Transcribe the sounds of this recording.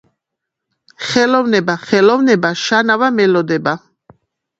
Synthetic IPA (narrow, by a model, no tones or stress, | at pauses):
χɛlɔvnɛbaχɛlɔvnɛbaʃanavamɛlɔd̪ɛba